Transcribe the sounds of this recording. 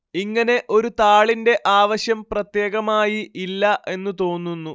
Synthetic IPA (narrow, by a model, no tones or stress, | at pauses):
iŋːɐne̞ʔo̞ɾut̪aːɭinde̞ʔaːʋɐɕjɐmprɐt̪je̞ːɣɐmaːjiʔilːɐʔe̞nːut̪o̞ːnːunːu